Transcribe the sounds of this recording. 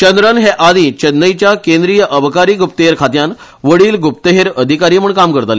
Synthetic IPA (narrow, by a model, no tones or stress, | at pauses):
t͡ɕənd̪ɾənɦeʔad̪iːt͡ɕənːəjt͡ɕjakẽnd̪ɾijəʔəbəkaɾiːɡup̚t̪əɦeɾkʰat̪jan | ʋəɽiːlɡup̚t̪əɦeɾəd̪ʱikaɾiːməɳkamkəɾt̪ali